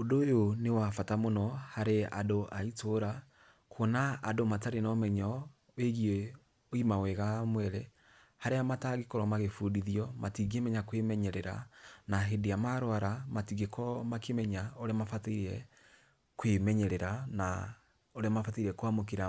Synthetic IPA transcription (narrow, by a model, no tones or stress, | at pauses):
odojonewafatamonɔhaɾea̰doʔaitʰoɾa | kʰonaːdomataɾenɔmɛɲɔ | weɣie | oimawɛɣamwɛɾɛ | haɾeamataɣikɔɾɔmaɣefudiðjɔmatiɣemɛɲakwemɛɲɛɾɛɾa̰naɦedeamaɾwaɾamatiɣekʰɔmakemɛɲaoɾemafateiɾɛ | kwemɛɲɛɾɛɾana | oɾemafateiɾɛkoamok̬eɾa